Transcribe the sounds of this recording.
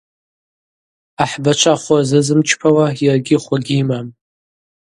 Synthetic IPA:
aħbat͡ʃʷʰaχʷazɨzɨmt͡ʃʰpʰawajarɡʲɪχʷaɡʲiːmam

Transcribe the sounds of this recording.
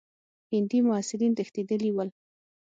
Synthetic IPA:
hɪnd̪imʊasɪɾint̪əxt̪ed̪əliwəl

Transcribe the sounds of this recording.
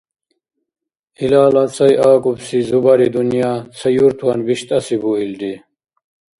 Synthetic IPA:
ilaːlat͡sʰɐjʔaːkʼubsizubɐɾid̪unjaːt͡sʰɐjuɾt̪ʰuɐnbiɕt̪ɐsibuild̪i

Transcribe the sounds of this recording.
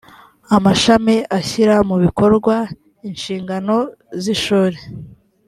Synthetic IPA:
amaʃameʔaçiɾamuβiko̞ɾɡwa | inʃiːŋɡano̞ | ziʃuːɾe

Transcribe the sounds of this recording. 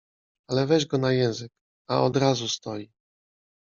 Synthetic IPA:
alɛvɛʒɡɔnajɛ̃w̃zɘk̚ | aɔd̪ɾazust̪ɔji

